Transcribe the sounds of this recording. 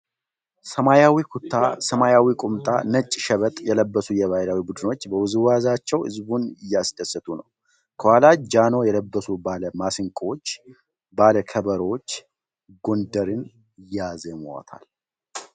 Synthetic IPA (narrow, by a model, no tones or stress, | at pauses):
səmajawikʰut̪ʰːasəmajawikʼumt̪ʼa̰nət͡ʃʼːʃəβət̪ʼjɛləbːəsujɛβajɾawibud̪ɨno̞t͡ʃːbəwʊzɨwazat͡ʃːɛwɨ̰zbunɪjːasd̪əsːət̪ʼunəw | kʰəhalad͡ʒano̞jɛləbːəsubaləmasɨŋkʼot͡ʃː | baləkʰəβəɾwot͡ʃː | ɡo̞nd̪əɾɨn | ɪjːazɛmwa̰t̪ʰa̰l